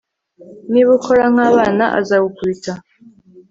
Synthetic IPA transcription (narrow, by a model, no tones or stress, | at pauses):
niβukʰoɾaŋ̥aːβaːna̰ʔa̰zaβukwita